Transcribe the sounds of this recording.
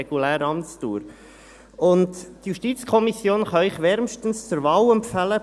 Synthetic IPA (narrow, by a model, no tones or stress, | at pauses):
ɛɡ̥ulæːɾɑmt͡stuːɾ | ʊnttjuʃtiːt͡skʰɔmisjoːnχɑɪχʋɛɾmʃtən̩st͡sʊɾvɑːlɛmpfælə